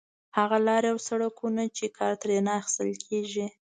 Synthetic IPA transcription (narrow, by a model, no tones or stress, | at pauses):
haɣalɑɾjawsaɽakunat͡ʃekʰɑɾt̪ɾenaaxɪ̥st̪əlkʰeʒi